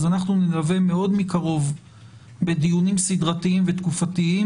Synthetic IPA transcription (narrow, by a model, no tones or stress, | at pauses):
zanaχnunilaveme̞o̞d̪mikaʁo̞v | be̞d̪ijunimsid̪ʁat̪iimvet̪kufat̪ii